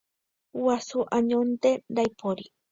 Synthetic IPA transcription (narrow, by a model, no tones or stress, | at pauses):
wasuʔaɲont̪eɾajpʰoɾi